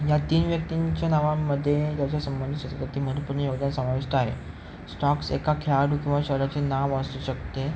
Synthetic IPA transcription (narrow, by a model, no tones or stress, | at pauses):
jat̪iːnʋjək̚t̪iɲt͡ɕjanaʋamːəd̪ʱːjet̪jat͡ɕjasəmbənd̪isət̪kət̪im̤əɽ̃ũnpuɾɳəjoɡd̪ansəmaʋiʂʈaɦḛ | sʈɔksḛkakʰjaɽukĩw̃ʋaɕəɾat͡ɕenaʋasuɕəkt̪e